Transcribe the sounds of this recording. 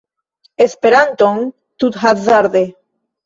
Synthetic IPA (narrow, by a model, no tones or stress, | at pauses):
espeɾant̪oŋ | t̪ut̪hat̪zaɾðe